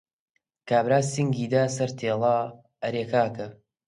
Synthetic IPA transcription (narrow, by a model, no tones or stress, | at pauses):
kaːbɾaːsiŋɡiːd̪aːsɐɾt̪ʰeːlˠaː | ɐɾeːkaːkɐ